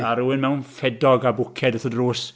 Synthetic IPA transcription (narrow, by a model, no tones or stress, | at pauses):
aɾuwɨnmɛwnfɛdɔɡabʊkʰɛdəθədruːs